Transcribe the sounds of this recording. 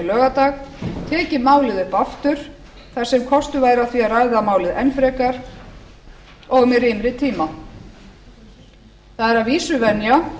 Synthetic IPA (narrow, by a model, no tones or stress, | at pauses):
lœːɣat̪aːɣt̪ʰɛːcɪmaːwlɪðʏpaft̪ʏɾ̥ | θḁsɛmkʰɔst̪ʏvaːjɾaθviarajðamaːwlɪðɛnfɾɛkaɾ̥ | ɔɣmɛrimɾɪt̪ʰiːma | θaðɛɾaviːsʏvɛnja